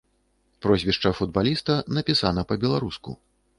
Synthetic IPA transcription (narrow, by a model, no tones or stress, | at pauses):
pɾɔzʲvʲiʂt͡ʂɐfud̪̚balʲist̪ɐnɐpʲisanɐpɐbʲɛlˠaɾuskṵ